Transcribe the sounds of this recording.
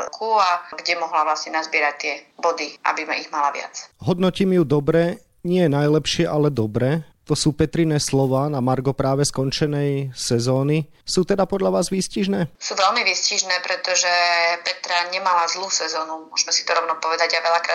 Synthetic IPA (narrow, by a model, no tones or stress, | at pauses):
kʰuaɡɟɛmɔɦlaʋlasɲɛnazbɪɛɾac̚t̪ɪɛbɔd̪iʔa̰bima̰iɣmalaʋɪa̰t͡sɦɔd̪nɔciːmjud̪ɔbɾɛ | ɲɪɛnajlɛpʃɪɛʔalɛd̪ɔbɾɛ | t̪ɔsuːpɛt̪ɾinɛːslɔʋaːnamaɾɡɔpɾaːʋɛskɔnt͡ʃɛnɛjsɛzɔːni | suːt̪ɛd̪apɔd̪ʎaʋaːzʋisciʒnɛːsuːʋɛlmiʋisciʒnɛːpɾɛt̪ɔʒɛpɛt̪ɾaɲɛmalazluːsɛzɔːnumʊɔ̰ʒmɛsi̥t̪ɔɾɔʊnɔpɔʋɛd̪aɟaʋɛʎakɾaː